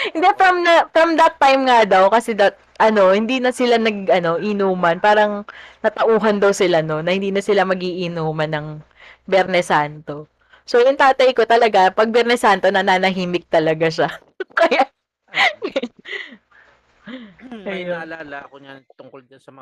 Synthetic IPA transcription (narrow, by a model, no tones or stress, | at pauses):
hɪnd̪ɛfɾɐmnɐfɾɐmd̪ɐt̪ːajmŋad̪ɐwkɐsɛd̪ɐt̪̚ʔɐno̞hɪnd̪iːnɐsɪlanɐɡʔɐno̞ʔɪnuːmɐnpaːɾɐŋnɐt̪ɐʔuːɦɐnd̪ɐwsɪlano̞nːɐhɪnd̪iːnɐsɪlamɐɡiːʔɪnuːmɐnːɐŋ | bɛɾnɛsant̪o̞ | sojʊŋt̪aːt̪ɐjko̞t̪ɐlɐɡapɐɡ̚bɛɾnɛsant̪o̞nɐnaːnɐɦiːmɪk̚t̪ɐlɐɡaʃa | kɐjaʔ | ɐjoɲat̪ʊŋldnɐ